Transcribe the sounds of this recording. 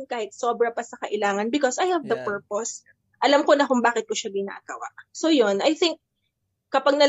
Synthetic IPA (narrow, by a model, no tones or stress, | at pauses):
nkaːhɪt̪̚soːbɾɐpɐsɐkɐʔɪlaːŋɐnbɪkosajhɛvd̪ɐpɛɹpos | ʔɐlɐmko̞nɐkʊŋbaːkɪt̪̚kʊʃɐbɪna̰ʔɐka̰wa̰ʔsojonʔɐjθɪŋk̚ː | ɐpaɡ̚nɐl